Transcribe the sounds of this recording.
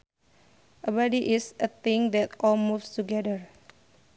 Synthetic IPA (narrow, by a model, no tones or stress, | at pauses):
ʔəbadiʔɪsʔət̪ɪ̃ŋd̪ɛtʔɔlmufstuɡɛdəɹ